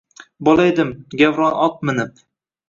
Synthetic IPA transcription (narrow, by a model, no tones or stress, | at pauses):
bolˠajd̪ɪmɡʲavɾɒnɒt̪̚mɪnɪp̚